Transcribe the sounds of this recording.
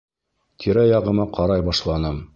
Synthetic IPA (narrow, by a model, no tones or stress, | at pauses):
t̪ʲʰiɾæjɑʁɤ̆mɑqʰɑɾɑjbɑʃlˠɑnɤm